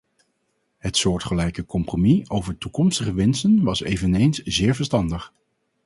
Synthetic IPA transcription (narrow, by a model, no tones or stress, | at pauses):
ɦətsʊːɹtχəlɛjkəkɔmpromiowvəɹtukɔmstəχəʋɛnstənʋɑsejvənejnszɪːɹvəɹstɑndəχ